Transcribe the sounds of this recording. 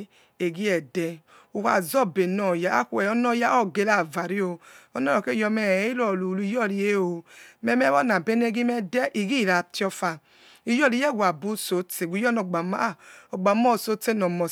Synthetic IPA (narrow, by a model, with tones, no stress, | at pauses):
e˨ɡi˦ɛ˨dɛ˧ | u˨ka̰˨zɔ˦˨be˨nɔ˨ja˦a̰˦˨ku˦˨ɛ˨ɔ˦nɔ˦˨ja˦ɔ˦˨ɡe˨˦la˦˨va˨ɾi˦o˧ɔ˦nɔ˦ɾɔ˨ke˦˨jɔ˧mɛ˨˦i˦lɔ˨lu˨lu˦i˦jɔ˦˨ɾi˨je˦o˨mɛ˦mɛ˦bɔ˦na˨be˦ne˦˨ɡi˦mɛ˦dɛ˦ʔi˨ɡi˦˨ɾa˨ti˦ɔ˧fa˧ | i˦˨jɔ˦li˨˦jɛ˦˨ɡʷa˨bu˦so˨˦te˨ɡʷu˨˦jɔ˦nɔ˨ɡ͡ba˨ma˦˨ɔ˨ɡ͡ba˨˦mɔ˦˨so˨˦te˦nɔ˨mɔ˨